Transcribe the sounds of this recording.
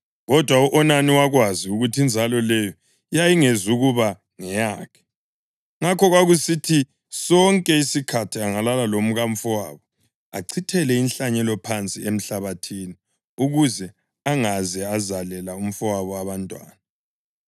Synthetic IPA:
ɣɔd̥ʱwauʔɔnaniwaɣwaziuɣutʰind͡zʱalɔlɛjɔ | jajiŋezuɣuβa | ŋɛjaːkʰɛ̥ | ŋakʰɔɣwaɣusitʰi | sɔŋkʼɛisikʰatʰiaŋalalalom̩ɣam̩fɔwa̰ːβɔ | a̰ǀʰitʰɛlɛinɬaɲɛlɔpʰant͡sʼiem̩ɬaβatʰiːni | uɣuzɛ | aŋazɛazalɛlaum̩fɔwaβɔaβantʼwa̰ːna

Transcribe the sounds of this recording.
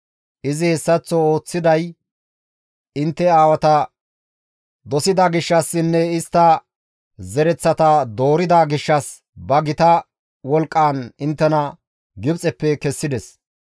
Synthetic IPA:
ʔɪzɪhɛsːɐt͡sːɔoːt͡sːɪd̪ɐj | ɪnt̪ːɛaːwɐt̪ɐ | d̪ɔsɪd̪aːɡɪʃːɐsːɪnːɛɪst̪ːɐ | zɛɾɛt͡sːɐt̪ɐd̪o̞ːɾɪd̪aːɡɪʃːɐs | bɐɡɪt̪ɐ | wɔlkʼːaːnɪnt̪ːɛnɐ | ɡɪbt͡sʼɛpːɛkɛsːɪd̪ɛs

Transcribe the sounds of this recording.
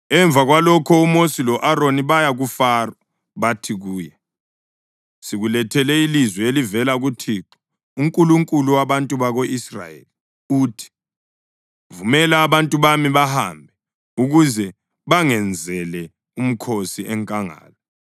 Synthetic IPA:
ɛɱb̪vʱaɣwalɔkʰɔumosilɔʔaɾoniβajaɣufarɔ | βatʰiɣuːjɛ | siɣulɛtʰɛlɛilizwɛelivɛlaɣutʰiːǁɔ̥ | uŋkʼuluŋkʼuluwaβantʼuβaɣoisra̰jḛli | uːtʰi̥ | vumɛlaːβantʼuβamiβaha̰mbʱɛ | uɣuzɛ | βaŋɛnd͡zʱɛlɛ | um̩kʰosiʔɛŋkʼaŋa̰ːlɔ

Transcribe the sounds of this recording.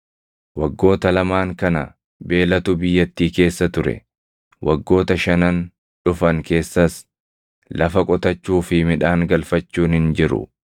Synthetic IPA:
wɐɡːo̞ːt̪ɐlɐmaːŋkɐnɐ | be̞ːlɐt̪ʊbɪjːɐt̪ːiːke̞ːsːɐt̪ʊɾɛ̰ | wʔɐɡːo̞ːt̪ɐʃɐnɐn | ᶑʊfɐŋke̞ːsːɐs | lɐfɐkʼɔt̪ɐt͡ʃːuːfɪmɪᶑaːŋɡɐlfɐt͡ʃːuːnhɪnd͡ʒɪɾʊ̰

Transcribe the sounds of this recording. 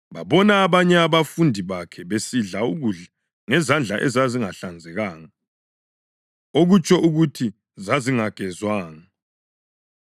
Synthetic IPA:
βaβɔnaːβaɲɛaβafundʱiβakʰɛβesiɮauɣuɮa | ŋɛzand͡ɮʱaʔɛzaziŋaɬand͡zʱɛɣaːŋa | oɣut͡ʃʼʰɔʔuɣutʰi | zaziŋaɡ̥ʱɛzwaːŋa

